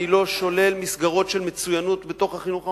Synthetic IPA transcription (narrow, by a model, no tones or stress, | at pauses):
ilo̞ʃo̞le̞lmisɡaʁo̞tʃelmet͡sujanutbeto̞χhaχinuχa